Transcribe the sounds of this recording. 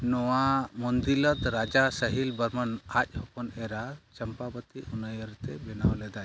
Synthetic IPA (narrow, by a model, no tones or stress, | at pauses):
nɔwamɔnd̪ilət̪ɾad͡ʒasəɦilbəɾmənac̚ˀhɔkɔnɛɾat͡ʃəmpabət̪iunəjəɾt̪ɛbɛnawlɛd̪aj